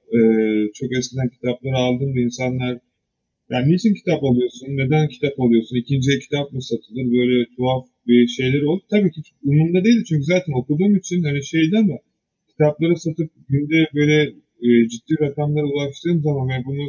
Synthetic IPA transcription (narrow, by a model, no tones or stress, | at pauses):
ɛːt͡ʃʰo̞kɛscʲid̪æncʰi̥t̪ʰaplˠaɾɯalˠd̪ɯnd̪ainsanlˠaɾ | jaːnneːt͡ʃʰincʰi̥t̪ʰapolˠujo̞sunːe̞d̪æncʰi̥t̪ʰapolˠujo̞sunicʰind͡ʒijɛcʰi̥t̪ʰap̚mɯsat̪ʰɯld̪ɯɾbø̞jlʲɛt̪ʰuaf | biʃe̞jlʲeɾo̞lˠd̪up̚t̪ʰabiːcʰit͡ʃumumd̪ad̪eilʲd̪it͡ʃyɲcyzaːt̪ʰæno̞kud̪uːmit͡ʃʰinhaniʃe̞jd̪æmɛ | cʲʰi̥t̪ʰaplˠaɾasat̪ʰɯp̚ɟynd̪ɛbø̞jlʲɛ | d͡ʒid̪̥ːiːɾakamlˠaɾuzˠaʃt̪ɯːmzamanɛbunu